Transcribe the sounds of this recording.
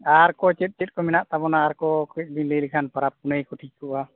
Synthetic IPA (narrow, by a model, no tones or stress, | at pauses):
aɾkɔt͡ʃet̚t͡ʃɛt̚ˀkɔmɛnaʔt̪abɔnaːɾkɔkɛc̚ˀbinləjlikʰanpaɾap̚ːunəjkɔʈʰikːɔʔa